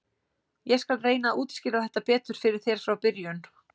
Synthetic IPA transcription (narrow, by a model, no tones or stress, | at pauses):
jɛskalreːjnaʔuːt̪scɪːlaɛht̪ːapɛːt̪ʏɾ̥fɪɾɪɾ̥θjɛɾ̥fɾawpɪɾjʏn